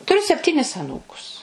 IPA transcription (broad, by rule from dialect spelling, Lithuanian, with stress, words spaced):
tʊˈrʲʊ sʲɛpʲˈtʲiːnʲɪs ɐˈnuːkʊs